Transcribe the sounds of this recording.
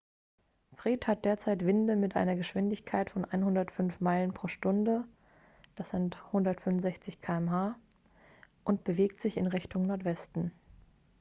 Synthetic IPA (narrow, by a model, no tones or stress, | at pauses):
fʁ̥iːthat̚d̥eːɐt͡saɪtv̥ɪndəmɪtʔa̰ɪnɐɡəʃv̥ɪndɪçkʰaɪtfɔnʔa̰ɪnhʊndɐtfʏnfmaɪlənpʁ̥oːʃtʊndə | d̥asz̥ɪnthʊndɐtfʏmʊnzɛçt͡sɪçkʰaːɛmɦaː | ʔʊntb̥əveːk̚tz̥ɪçɪ̰nʁɪçtʊŋnɔɐtv̥ɛstn̩